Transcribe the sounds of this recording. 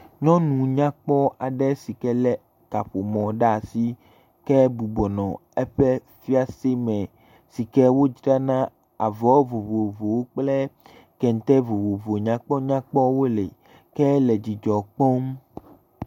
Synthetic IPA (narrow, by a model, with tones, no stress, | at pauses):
ɲɔ̃˦nũ˨ɲã˦k͡pɔ˦a˨ɖɛ˦si˨kɛ˦lɛ˦ | ka˨ɸo˨mɔ̃˨ɖa˦˨si˦ | kɛ˦bu˨bɔ˨nɔ̃˨ɛ˦ɸɛ˦ | fi˦a˦se˦mɛ̃˨ | si˨kɛ˦wo˦d͡ʒɖa˦nã˦ | a˨vɔ˨˦vo˨vo˨vo˨wo˦k͡plɛ˦ | kɛ˨n̩˨t̪ɛ˦vo˨vo˨vo˨ɲã˦k͡pɔ˦ɲã˦k͡pɔ˦wo˦lḛ˨ | kɛ˦lɛ˨d͡ʑi˨d͡ʒɔ˨k͡pɔ˦m